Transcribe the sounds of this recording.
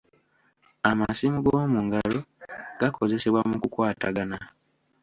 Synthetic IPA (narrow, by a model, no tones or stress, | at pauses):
amasimuɡo̞ːmuŋɡalo̞ɡ̥akʰo̞ze̞se̞βwamukukwaːtaɡana